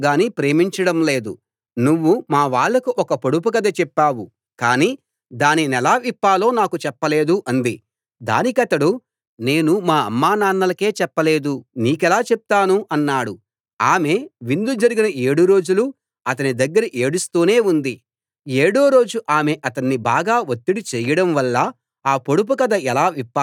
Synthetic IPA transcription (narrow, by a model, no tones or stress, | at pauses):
ɡaːnipɾe̞ːmiɲt͡ʃɐɽɐmle̞ːd̪ṵ | nuʋːumaːʋaːɭːɐkuʔɔkɐpoɽup̬ukɐd̪ɐt͡ʃɛpːaːwu | kaːniː | d̪aːninɛlaːʋipːaːlo̞ːnaːkut͡ʃɛpːɐle̞ːd̪uʔɐnd̪i | d̪a̰ːnikɐt̪ɐɽu | ne̞ːnumaːɐ̰mːaːnaːnːɐlɐke̞ːt͡ʃɛpːɐle̞ːd̪uniːkɛlaːt͡ʃɛp̚t̪aːnuʔɐnːaːɽu | aːme̞ʋind̪ud͡ʒɐɾiɡinɐʔe̞ːɽuɾo̞ːd͡ʒulu | ɐt̪ɐnid̪ɐɡːɐɾiʔe̞ːɽust̪uːne̞ːund̪i | eːɽo̞ːɾo̞ːd͡ʒuʔaːme̞ʔɐt̪ɐnːibaːɡaːʋot̪ːiɽit͡ʃɛːjɐɽɐmʋɐlːɐ | aːpo̞ɽup̬ukɐd̪ɐɛlaːʋipːa